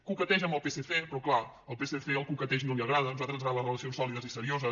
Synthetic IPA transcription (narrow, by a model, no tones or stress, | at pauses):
kukət̪ɛʒəmbəlˠpeseθepɾɔkla | əlˠpeseθeəlˠkukət̪ɛʒnoliəɣ̞ɾaðənuzalt̪ɾənzɾalərələsionsɔliðəzisəɾiozə